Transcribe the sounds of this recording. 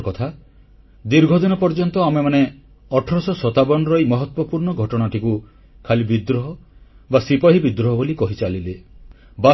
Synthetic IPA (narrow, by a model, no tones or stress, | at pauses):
kɔt̪ʰa | d̪iɾɡʱɔd̪inɔpɔɾd͡ʒɔnt̪ɔamemane | ɔʈʰɔɾɔsɔsɔt̪abɔnɔɾɔjmɔɦɔt̪wɔpuɾɳɔɡʱɔʈɔɽ̃aʈʰiku | kʰalibid̪ɾɔɦɔ | basipɔɦibid̪ɾɔɦɔbolikɔɦit͡ʃalile | ba